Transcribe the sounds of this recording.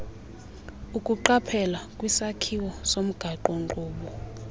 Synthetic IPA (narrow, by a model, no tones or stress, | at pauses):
ukʼuǃapʰɛlakʼwisakʰiwɔsom̩ɡ̥ʱaǃɔŋǃʱʼuːɓɔ